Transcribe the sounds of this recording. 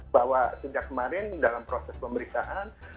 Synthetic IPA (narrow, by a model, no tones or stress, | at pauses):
bawasəd͡ʒakːəmaɾɪndalampɾosɛspəməɾiksaʔan